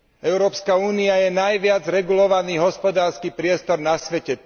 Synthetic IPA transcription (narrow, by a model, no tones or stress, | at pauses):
ɛʊɾɔːpskauːniajɛnajʋɪad͡zɾɛɡulɔʋaniːɦɔspɔd̪aːɾskipɾɪɛst̪ɔɾnasʋɛcɛ